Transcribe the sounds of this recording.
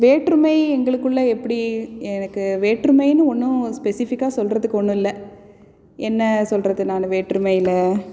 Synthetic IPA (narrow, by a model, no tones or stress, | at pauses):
ʋeːʈɾɯmɐɪɛŋɡɐɭɯkːɯɭːɐɛpːɐɽiɛnɐkːɯʋeːʈɾɯmɐɪnɯɔnːʊ̃spɛsɪfɪkːaːsɔlrɐðɯkːɯɔɳːɯ̃ɪlːɐ | ɛnːɐsɔlrɐðɯnaːnɐʋeːʈɾɯmɐɪɪlɐ